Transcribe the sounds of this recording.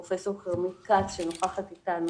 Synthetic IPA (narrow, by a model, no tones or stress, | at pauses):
ofeso̞ʁχeʁmikatʃenoχaχat̪it̪anu